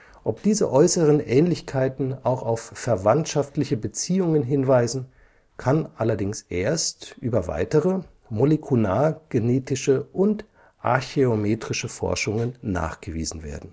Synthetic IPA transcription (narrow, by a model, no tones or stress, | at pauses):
ʔɔp̚d̥iːzə̰ʔɔʏsəʁənʔɛːnlɪçkʰaɪtn̩aʊxaʊfːɛɐvantʃaftlɪçəbət͡siːʊŋənɦɪnvaɪzn̩ | kʰanʔalɐdɪŋsʔeːɐstʔyːbɐva̰ɪtəʁə | molekʰulaːɡ̥eneːtɪʃəʔʊnt | ʔa̰ɐçeomeːtʁ̥ɪʃəfɔ̰ɐʃʊŋənːa̰ːχɡ̥əvḭːzn̩vḛːɐdn̩